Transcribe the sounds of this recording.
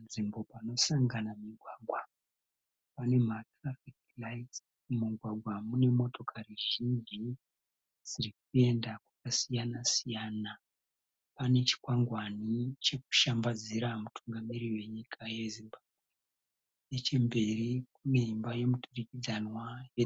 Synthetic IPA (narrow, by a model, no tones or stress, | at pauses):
nʐimbo̞pano̞saŋɡanamiɡʱwaːɡʱwa | pane̞matrafik | lait | muɡʱwaɡʱwamune̞mo̞to̞kʰariʒind͡ʒi | sirik̚ue̞ndakwakasijanasijaːna | pane̞t͡ʃi̥kwaŋɡwanit͡ʃe̞ku̥ʃambad͡ziɾamutʰuŋɡamiɾiwe̞ɲikʰaje̞zimbabʱwe | et͡ʃembe̞rikuneimbaje̞muturikid͡zanwaje